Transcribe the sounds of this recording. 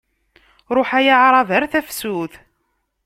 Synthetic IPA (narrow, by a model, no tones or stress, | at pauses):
ɾˤoħæjaʕɾˤɑvəɾθæfsuθ